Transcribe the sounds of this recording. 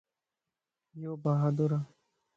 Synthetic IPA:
jobaɦad̪oɾa

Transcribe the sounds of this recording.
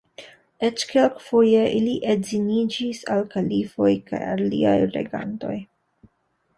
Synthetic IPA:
et͡ʃkelkfojeʔiliʔezinid͡ʒisalkalifo̞jka̰ja̰llḭa̰jɾḛɡa̰nto̞̰j

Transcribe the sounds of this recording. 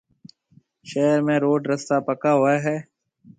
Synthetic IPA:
ʃɛːɾmẽɾoːɖɾɐst̪apɐkaɦʊaɦɛː

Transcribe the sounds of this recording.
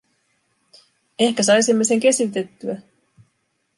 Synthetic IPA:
e̞hkæs̬ɑjsimːeseŋke̞syt̪e̞t̪ːyæ

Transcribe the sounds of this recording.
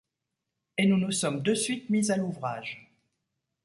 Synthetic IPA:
enunusɔmd̪əsɥit̪mizaluvʁaːʒ

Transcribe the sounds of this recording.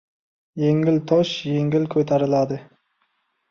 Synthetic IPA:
jeŋʲɪlt̪ʰoʃjeŋɡʲilkʲʰøt̪ʰæɾɪlˠɑd̪ɨ

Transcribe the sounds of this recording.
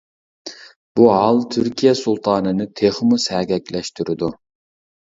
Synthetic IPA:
b̥uɦɑlˠt̪ʰyɾkʲʰijɛsulˠt̪ʰɑːnɨnɨt̪ʰeχmusæɡʲɛkʲlɛʃt̪yɾɪd̪u

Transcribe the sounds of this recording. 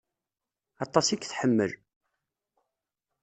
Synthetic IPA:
ɑt̪ˤːɑsikːθħəmːə̰l

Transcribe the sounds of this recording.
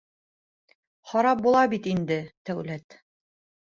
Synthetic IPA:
χɑɾɑp̚bulˠɑbit̪ind̪ɘt̪æwlæt̪

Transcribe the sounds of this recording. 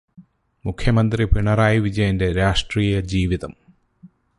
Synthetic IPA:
mukʰjɐmɐnd̪ripiɳɐraːjiʋid͡ʑɐjɐnde̞ɾaːʂʈriːjɐd͡ʑiːʋiðɐm

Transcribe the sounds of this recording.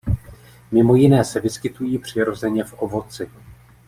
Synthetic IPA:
mɪmo̞jɪnɛːsɛvɪskɪt̪ujiːpr̝̥ɪɾo̞zɛɲɛfʔo̞vo̞t͡sɪ

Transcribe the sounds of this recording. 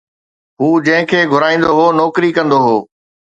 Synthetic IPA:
ɦuːd͡ʑɐ̃ɦɪ̃kʰeːɡʱʊɾaːĩːnd̪oɦoːnɔːkɾikɐ̃nd̪oɦoː

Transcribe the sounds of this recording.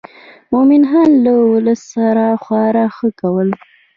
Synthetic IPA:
momɪnɦanlawʊləsːaɾaxwɑɾaxəkawəl

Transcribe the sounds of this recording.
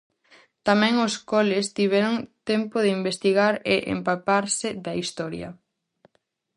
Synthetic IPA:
t̪amɛ̃ŋʊskɔlɪst̪iβ̞ɛɾʊŋt̪ɛmpʊðɪimbest̪iɣaɾeʔḛmpapaɾsɪðɐist̪ɔɾjɐ̰

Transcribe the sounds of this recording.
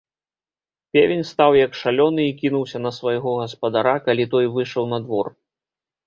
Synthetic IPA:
pʲevʲenʲst̪awjɐkʂalʲɔnɨikʲinuwsʲɐnɐsvɐjɣɔɣɐspɐd̪aɾakalʲit̪ɔjvɨʂɐwnɐd̪vɔr

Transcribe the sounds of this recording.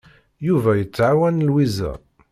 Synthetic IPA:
juvæjət͡sːʕawænlwizæ̰

